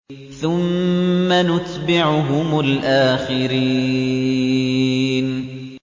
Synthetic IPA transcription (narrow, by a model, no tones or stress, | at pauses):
θʊmːanʊt̪bɪʕʊɦʊmʊlʔaːxɪɾiː | n